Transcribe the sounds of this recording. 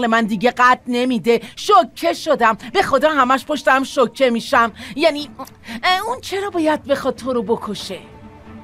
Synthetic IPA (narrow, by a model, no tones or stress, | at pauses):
le̞mænd̪iɟe̞ɢæt̪̚ʰne̞mid̪e̞ʃocʰːe̞ʃod̪æmbe̞xo̞d̪ɒːɦæmæʃpʰoʃt̪æmʃocʰːe̞miʃæmjæni | unt͡ʃʰe̞ɾɒːbɒːjæd̪̚be̞xɒd̪̚t̪ʰoɾobokʰoʃe